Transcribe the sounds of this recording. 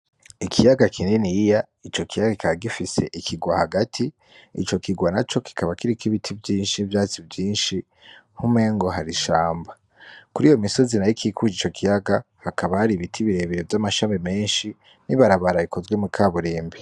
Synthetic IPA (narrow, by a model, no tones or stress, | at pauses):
ikʰijaɡakʰininija | it͡ʃo̞kijaɡaki̥kʰaβaɡifise̞̰ʔikʰiɡwahaɡatʰi | it͡ʃo̞kiɡwanat͡ʃo̞ki̥kʰaβakiɾikiβitʰibjiːnʃivjaːt͡sibjiːnʃi | hume̞ŋɡo̞ɦaɾiʃaːmba | kuɾiːjo̞miso̞zinajikʰikud͡ʒit͡ʃo̞kʰijaɡahakaβahaɾiβitʰiβiɾe̞βeɾevjamaʃamime̞ːnʃi | niβaɾaβaɾaikʰo̞zwemukʰaβuɾiːmbi